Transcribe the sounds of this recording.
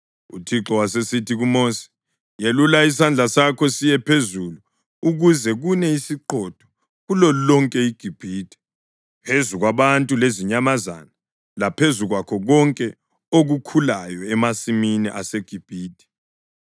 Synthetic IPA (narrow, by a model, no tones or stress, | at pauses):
ṵtʰiǁɔwas̬esitʰiɣumoːsi̥ | jelulais̬and͡ɮʱasakʰɔsijɛpʰezulu | uɣuzɛɣunɛisiǃɔd̥ʱɔ̥ | ɣulɔlulɔŋkʼɛiɡ̥ʱib̥ʱiːd̥ʱi̥ | pʰezuɣwaβantʼuleziɲamaza̰na | lapʰezuɣwakʰɔɣɔŋkʼɛ | oɣukʰulajɔɛmasiminḭʔaseɡ̥ʱib̥ʱiːd̥ʱʼɛ̥